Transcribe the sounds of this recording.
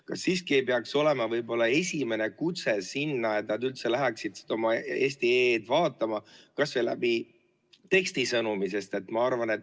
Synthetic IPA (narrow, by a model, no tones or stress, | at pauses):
kɑsːiːskiejpeɑkso̞le̞mɑvɤjbo̞lːɑe̞sʲime̞ne̞kut̪se̞sinːɑet̪nɑd̪ylt̪se̞læɦæksid̪̥si̥d̪o̞mɑeːsʲt̪ieːd̪vɑːt̪ːˑɑmɑkɑsvelːæ̰bi | t̪e̞ksʲt̪isɤnumise̞st̪e̞t̪ːmɑɑrvɑne̞t̪ː